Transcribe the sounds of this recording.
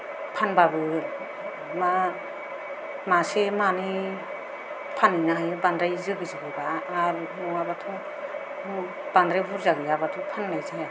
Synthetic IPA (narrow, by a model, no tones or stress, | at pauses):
pʰanbabɯ | ma | masemani | pʰaninaɦajbandɾajzɯɡizɯɡɯbaːɾmuabatʰu | b̥andɾajbʰuɾzaɡɯjabatʰupʰanːajzaja